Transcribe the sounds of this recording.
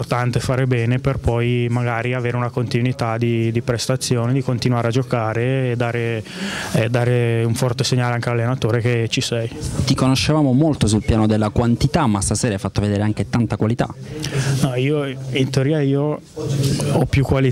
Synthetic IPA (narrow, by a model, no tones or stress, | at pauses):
rt̪ant̪efaːɾebɛːneperpɔjmaɡaːɾiaveːɾeunakont̪inwit̪ad̪id̪ipɾest̪at̪sːjoːned̪ikont̪inwaːɾead͡ʒokaːɾeːd̪ːaːɾe | ed̪ːaːɾeuɱfɔrt̪eseɲːaːleaŋk̟ealalːenat̪oːɾeket͡ʃisɛjt̪ikonoʃːevaːmomolt̪osulpjaːnod̪elːakwant̪it̪amːast̪aseːɾajfat̪ːoved̪eːɾeaŋk̟et̪ant̪akwalit̪a̰nɔiːoint̪eoɾiːaiːo | ɔpːjukːwali